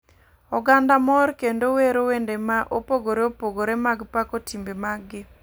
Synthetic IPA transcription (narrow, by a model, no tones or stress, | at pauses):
ɔɡandamɔɾkendoweɾowendemaʔopoɡoɾeopoɡoɾemaɡpakotimbemaɡɪ